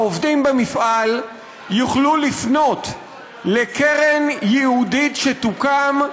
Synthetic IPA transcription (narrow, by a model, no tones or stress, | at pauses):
ovdimbemifʔal | juχlulifno̞t | lekeʁenjɛhuditʃetukam